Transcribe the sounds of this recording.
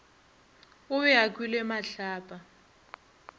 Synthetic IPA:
ʊβɛak̬wilɛmaɬaːpʼa

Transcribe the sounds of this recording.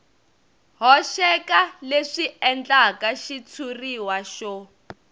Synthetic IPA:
ɦɔʃɛkaleʂiɛnd͡ɮakaʃit͡sʰuriwaʃɔ

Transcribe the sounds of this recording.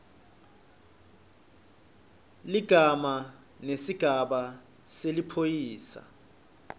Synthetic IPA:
liɡ̥ʱama | nesiɡ̥ʱaɓa | selipʰojiːsa̰

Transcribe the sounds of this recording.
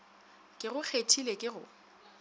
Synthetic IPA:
kʼɪɣʊk͡xʰetʰilekʼɪɣʊ̰

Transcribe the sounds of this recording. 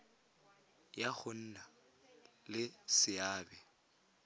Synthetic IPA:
jaɣʊn̩ːna | lɪsɪaːbɛ

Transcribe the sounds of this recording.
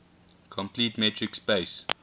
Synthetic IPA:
kʰɔ̃mpʰliːtmɛtʰɹɪkspeːs

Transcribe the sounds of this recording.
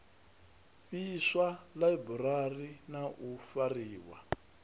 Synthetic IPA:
ɸiswalaibuɾarinaʔufariːwa̰

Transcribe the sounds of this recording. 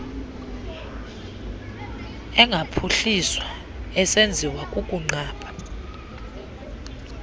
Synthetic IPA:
ɛŋɡʱapʰuɬiswa | ɛsend͡zʱiwakʼukʼuŋ͡ǀaːɓʰʱʼa

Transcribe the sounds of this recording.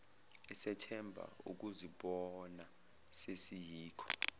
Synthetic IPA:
ɛsɛtʰɛmbʱa̰ṵk̬uziɓɔna | sesijiːkʰɔ̥

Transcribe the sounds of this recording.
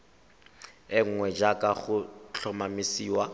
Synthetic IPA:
ɪŋ̩ŋwɛd͡ʒakʼaχʊt͡ɬʰɔmamɪsiːwa

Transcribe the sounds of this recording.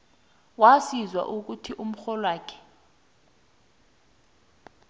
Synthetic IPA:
wasizwa̰ʔuk̬utʰiʔum̩xɔlwaːkʰɛ̥

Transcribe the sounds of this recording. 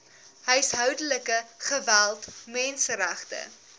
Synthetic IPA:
ɦəjəsɦœwdələkəχəvælˠtmɛnsəɾæχtə̰

